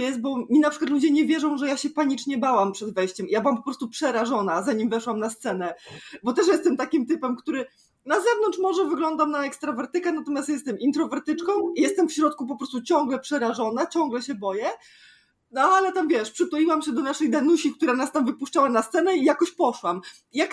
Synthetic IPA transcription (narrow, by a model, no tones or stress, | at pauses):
jɛst̪̚bɔmʲinapʂkwat̪lud͡ʑɛɲɛvʲjɛʐɔ̃w̃ʐɛjaɕɛpaɲit͡ʂɲɛbawampʂɛd̪vɛjɕt͡ɕɛmijabɨwampɔpɾɔst̪upʂɛɾaʐɔnazaɲimvɛʂwamnast̪sɛnɛbɔt̪ɛʂjɛst̪ɛmt̪akʲimt̪ɘpɛmkt̪uɾɘ | nazɛvnɔnt͡ʂmɔʐɛvɘɡlɔnd̪amnaɛkst̪ɾɔvɛɾt̪ɘkanat̪ɔmʲjast̪jɛst̪ɛmʔint̪ɾɔvɛɾt̪ɘt͡ʂkɔ̃w̃ijɛst̪ɛmfɕɾɔt̪̚kup̬ɔpɾɔst̪ut͡ɕɔ̃ŋɡlɛpʂɛɾaʐɔnat͡ɕɔ̃ŋɡlɛɕɛbɔjɛ | nɔalɛt̪amvʲjɛʂpʂɘt̪ɔiwamɕɛd̪ɔnaʂɛjd̪anuɕikt̪uɾanast̪amvɘpuʂt͡ʂawanast̪sɛnɛijakɔɕpɔʂwam | jak